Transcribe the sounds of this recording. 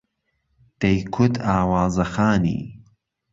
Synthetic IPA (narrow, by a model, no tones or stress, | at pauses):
d̪̥ɐjkʰʊd̪ʰaːwaːzɐxaːnḭː